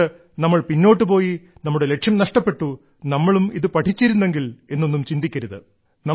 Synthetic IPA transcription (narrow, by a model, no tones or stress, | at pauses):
ɨ | nɐmːɐɭpinːo̞ːʈːɨpo̞ːjinɐmːuɽe̞le̞kʂjɐmnɐʂʈɐpːe̞ʈːu | nɐmːɐɭumiðɨpɐʈʰit͡ɕːiɾunːe̞ŋɡile̞nːo̞nːumt͡ɕind̪ikʲːɐɾuðɨ | nɐ